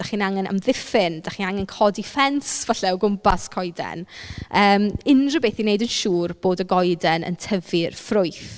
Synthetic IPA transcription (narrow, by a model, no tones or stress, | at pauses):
d̥aχiːnaŋɛna̰mðɪfɪnd̥aχiːnaŋɛnkʰɔdifɛnsvaɬɛwɡʊmpʰaskʰɔɨdɛ̰nəːmɪnrəbeːθinejdənʃuːrb̥oːdəɡɔjdɛnə̰ntʰəvɪrfrʊɨθ